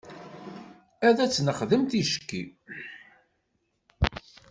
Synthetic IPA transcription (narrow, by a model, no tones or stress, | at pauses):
æðæt͡sːnəχðəmt̪iʃə̥kːḭ